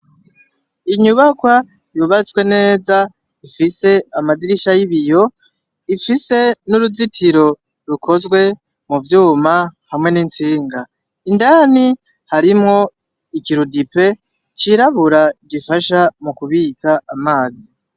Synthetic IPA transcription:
iɲuβakwa | juβat͡swe̞ne̞ːza | ifise̞amadiɾiʃajiβijo̞ | ifise̞nuɾuzitʰiɾo̞ | ɾukʰo̞zɡwe̞ | muvjuːmahamŋenint͡siːŋɡa | indani | haɾimŋo̞ | ikiɾudipe̞ | t͡ʃiɾaβuɾaɡifaʃamukuβiːkaamaːzi

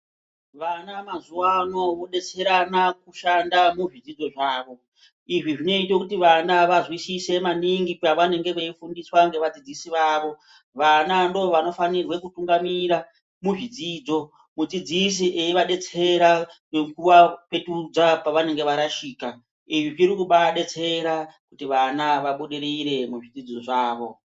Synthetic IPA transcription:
ʋanamazuano̞ʋo̞ɗe̞t͡se̞ɾanakuʃandamuʐid͡zid͡zo̞ʐaːʋo̞ | iʐiʐino̞itwekutiʋanaʋazwisise̞maniŋɡikuaʋane̞ŋɡe̞ʋeifundiswaŋɡe̞ʋad͡zid͡zisiʋaːʋo̞ | ʋanando̞ʋano̞fanirwe̞kutuŋɡamiɾa | muʐid͡ziːd͡zo̞ | mud͡zid͡zis̬iʔeiʋaɗe̞t͡se̞ɾaneŋkuwape̞tud͡zapaʋane̞ŋɡe̞ʋaɾaʃiːka | iʐiʐiɾikuɓaɗe̞t͡se̞ɾakutiʋanaʋaɓuɗiɾiɾe̞muʐid͡zid͡zo̞ʐaːʋo̞

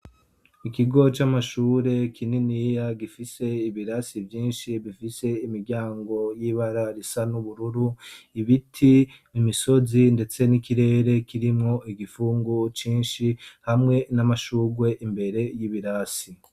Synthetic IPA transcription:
ikiɡo̞t͡ʃamaʃuːɾe̞kʰininijaɡifise̞iβiɾasivjiːnʃiβifise̞imiɾɟaːŋɡo̞jiβaɾaɾisanuβuɾuɾuiβitʰi | imiso̞zinde̞t͡se̞nikiɾe̞ːɾe̞kiɾimŋo̞ʔiɡifuːŋɡut͡ʃiːnʃihamŋe̞namaʃuːɡwe̞ʔimbe̞ɾe̞jiβiɾasi

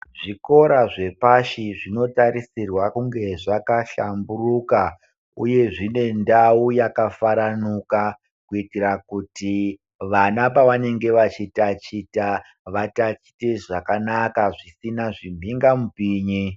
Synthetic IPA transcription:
ʐiko̞ɾaʐe̞paʃiʐino̞taɾisirwakuŋɡe̞ʐakaʃamburuka | ṵje̞ʐine̞ndaujakafaɾanuka | kuitirakuti | ʋanapaʋane̞ŋɡe̞ʋat͡ʃitat͡ʃita | ʋatat͡ʃi̥te̞ʐakanakaʐisinaʐimbʱiŋɡamupiːɲi

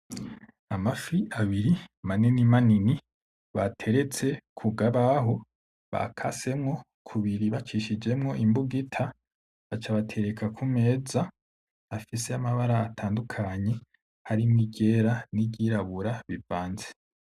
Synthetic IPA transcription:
amafiʔaβiɾimaninimanini | βatʰe̞ɾe̞t͡se̞kʰuɡaβaɦo̞ | βa̰kʰa̰se̞mŋo̞ | kʰuβiɾiβat͡ʃiʃid͡ʒe̞mŋo̞ʔimbuɡitʰa | βat͡ʃaβatʰe̞ɾe̞kʰakʰume̞ːza | afise̞amaβaɾaːtʰaːndukʰaɲe̞ | haɾimŋiɟe̞ːɾaniɟiɾaβuɾaβivaːnze

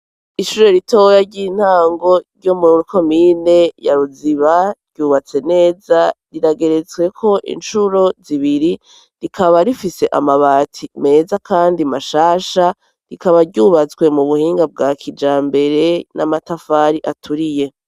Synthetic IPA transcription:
iʃuɾe̞ɾito̞jaɾɟin̥haːŋɡo̞ɾɟomuɾuɾiko̞miːne̞jaɾuziβaɾɟ̥uːβat͡se̞ne̞ːzaɾiɾaɡe̞ɾet͡swe̞kʰo̞ʔḭnʃuɾo̞ziβiɾi | ɾikʰaβaɾifise̞ʔa̰maβatʰime̞ːzakʰaːndimaʃaːʃa | ɾikaβaɾɟuːβat͡swe̞muβuhiːŋɡab̚ɡaːkʰid͡ʒaːmbe̞ɾe̞namatafaːɾiʔatʰuɾije̞

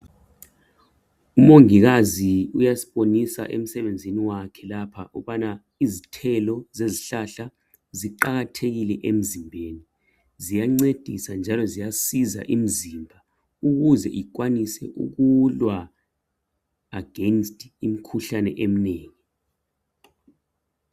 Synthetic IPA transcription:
umoŋiɣ̬aziujasi̥ɓonisa̰ʔem̩sɛɓend͡zʱiniwakʰɛlapʰaʔṵɓana | izitʰɛlɔzeziɬaɬa | ziǃaɣatʰeɣilɛʔem̩zimbʱeːni | zijaŋ͡ǀed̥ʱisand͡ʒʱalɔzijasiza̰ʔim̩zimbʱa | uɣ̬uzɛ̰ʔik̬wanisɛ̰ʔṵk̬ulwa | aɡ̥ʱɛnstʰʼim̩kʰuɬanɛʔem̩neːŋi

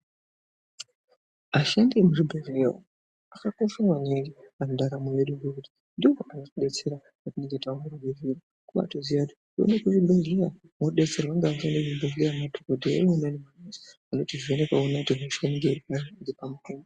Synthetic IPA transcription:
aʃandimuʐibʱerlero̰ | akakoʃawaneŋɡianoɗaɾamuweɗuŋɡekuti̥ | ndiwoʔanokuɗe̞t͡se̞ɾa | katineŋɡetaomurubʱeriro | kuɓa̰tozijati̥ | o̰nekuʐibʱeɮea | moɗe̞t͡se̞rwaŋɡaaʃandiʐibʱerleamadʱokodʱeeonenemanezi̥ano̞tiʐienekaonautiɦeʃenɡeɾipaiɾipamutoːmbo

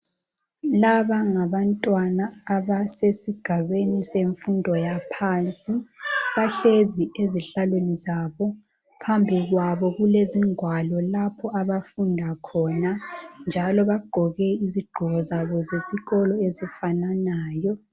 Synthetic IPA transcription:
laβaŋaβantʼwanaːβasesiɡ̥ʱaβeniseɱfundʱɔjapʰant͡sʼiβaɬezieziɬalwenizaβɔ | pʰambʱiɣwaβɔɣuleziŋʱwalɔlapʰɔaβafundʱakʰɔnand͡ʒʱalɔβaɡ͡ǃʱɔɣɛiziɡ͡ǃʱɔɣɔzaβɔzeziɣɔlɔezifananaːjɔ

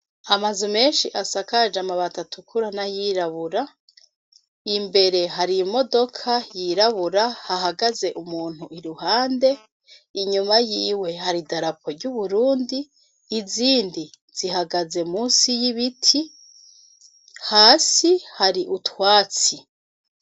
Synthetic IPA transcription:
amazume̞ːnʃiʔasakad͡ʒamaβatatʰukʰuɾanajiɾaβuɾa | imbe̞ɾe̞ɦaɾijimo̞do̞kʰajiɾaβuɾahaɦaɡaze̞ʔumuːn̥huʔiɾuhaːnde̞ | iɲumajiːwe̞haɾidaɾapʰoɾɟuβuɾuːndiː | ziːndi | z̥iɦaɡaze̞muːsijiβitʰi | haːsihaɾiʔutwaːt͡si

